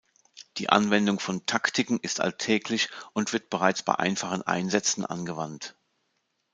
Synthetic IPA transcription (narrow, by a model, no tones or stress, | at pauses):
d̥ḭːʔa̰nvɛndʊŋfɔntʰaktʰɪkŋ̩ɪstʔa̰ltʰɛːklɪçʔʊntv̥ɪɐt̚b̥əʁaɪt͡sb̥a̰ɪʔa̰ɪnfaχən̩ʔa̰ɪnzɛt͡sn̩ʔa̰nɡəvant